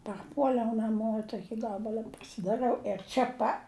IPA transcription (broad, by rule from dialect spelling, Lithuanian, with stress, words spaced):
pɐrˈpuɔlʲɛʊ nɐˈmoː ɪ ˈtoːkʲɪ ˈɡɑːbɐlˠɐ pɐsʲɪdɐˈrɨɐʊ ɪr ˈt͡ʃʲɛ pɐ